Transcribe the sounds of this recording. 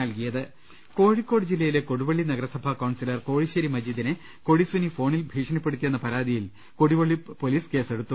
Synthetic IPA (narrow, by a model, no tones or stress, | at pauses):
ɐlkijɐðɨ | ko̞ːɻikːo̞ːɽd͡ʑilːɐjile̞ko̞ɽuʋɐɭːinɐɡɐɾɐsɐbʱɐkɐːɳsilɐrko̞ːɻiɕɐɾimɐd͡ʑiːd̪inɨ | ko̞ɻisʋɐnifo̞ːɳilbʱiːʂɐnɐpːe̞ɽut̪ːije̞nːɐpɐɾaːd̪ijil | ko̞ɽiʋɐɭːipo̞liːske̞ːse̞ɽut̪ːu